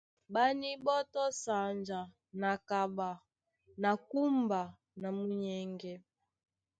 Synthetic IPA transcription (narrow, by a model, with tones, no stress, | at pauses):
ɓa˦ni˦ɓɔ˦tɔ˦sa˨nd͡ʒa˨ | na˨ka˨ɓa˨ | na˨ku˦mba˨ | na˨mu˨ɲɛ˨ŋɡɛ˨